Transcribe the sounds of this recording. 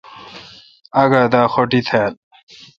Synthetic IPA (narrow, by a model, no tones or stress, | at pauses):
ɐɡad̪aːxoʈit̪ʰeːl